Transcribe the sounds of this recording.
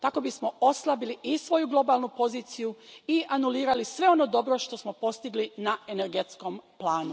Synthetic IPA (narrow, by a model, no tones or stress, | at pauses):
t̪ako̞bismo̞o̞slˠabiliʔisʋo̞juɡlˠo̞balˠnupo̞ziːt̪sijuiʔanuliːɾalisʋe̞o̞no̞d̪o̞bɾo̞ʃt̪o̞smo̞po̞st̪iɡlinae̞ne̞ɾɡet̪sko̞mplˠaːnu